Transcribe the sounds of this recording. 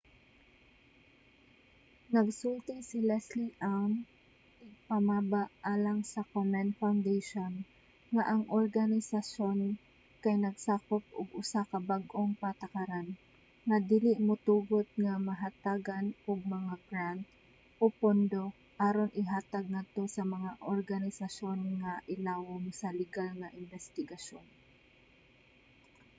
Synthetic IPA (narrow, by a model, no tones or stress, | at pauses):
nɐɡsult̪ɪsɪlɛsliʔaŋ | ɪɡ̚pɐmaːbaʔʔaːlɐŋsɐkomɛnfawnd̪ejʃon | ŋaʔɐŋʔoɾɡanɪsaʃo̞n | kɐjnɐɡsaːkop̚ʔʊɡʔʊsakɐbaɡʔoŋpɐt̪ɐkaɾan | ŋɐd̪iːlɪʔmʊt̪uːɡot̪̚ŋɐmɐɦat̪aːɡanʔʊɡ̚mɐŋaɡɾant̪̚ | ʔopond̪o̞ | ʔaːɾonʔɪɦaːt̪aɡ̚ŋad̪̚t̪o̞sɐmɐŋaʔoɹɡanɪsɐʃo̞nŋaʔɪlaːwoŋsɐlɪɡalŋɐʔɪnbɛst̪ɪɡɐʃon